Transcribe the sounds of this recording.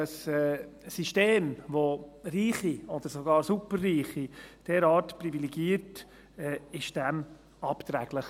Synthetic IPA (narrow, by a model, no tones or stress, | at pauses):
əsɛːiʃteːmvoriːχiɔd̪əɾsoɡɑːɾsupərːiːχid̥ɛːɾɑːɾtpɾiviliɡiːəɾt | ɛɪʃd̥ɛm | ɑpt̪ɾæɡ̥ləχ